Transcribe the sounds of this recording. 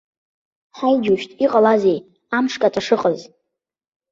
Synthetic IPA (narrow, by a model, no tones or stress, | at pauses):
ħajd͡ʒuʃᶣtʼiqʼalazej | amʂkʼatʼaʂɨqʼəz